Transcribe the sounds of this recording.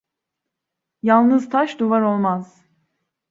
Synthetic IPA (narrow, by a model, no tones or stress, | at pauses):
jalˠnɯzt̪ʰaʃd̪uvaɾo̞lˠmaz̥